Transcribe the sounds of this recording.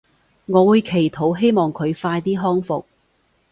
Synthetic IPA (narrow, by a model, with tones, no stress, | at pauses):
ŋɔː˨˧wuː˨˧jkʰe˨˩jt̪ʰo˨˥wɦe˥jmɔː˨ŋkʰɵ˨˧ɥfaː˧jt̪iː˥ɦɔː˥ŋfʊ˨k̚